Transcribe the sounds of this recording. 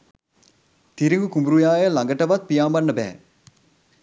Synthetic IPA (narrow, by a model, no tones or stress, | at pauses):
t̪iɾiŋɡukumbɾujaːjəlɐŋɡəʈɐʋɐt̪̚pijaːmbɐnːəbɛɦɛ̰